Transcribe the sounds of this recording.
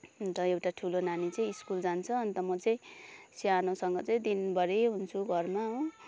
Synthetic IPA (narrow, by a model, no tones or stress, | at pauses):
ʌnt̪ʌewʈaʈʰulonanit͡sʌĩiskuld͡zant͡sʰʌːnt̪ʌmʌt͡sʌĩsianõsʌŋɡʌt͡sʌĩd̪inbʱʌɾeɦunt͡sʰuɡʱʌrmaɦõ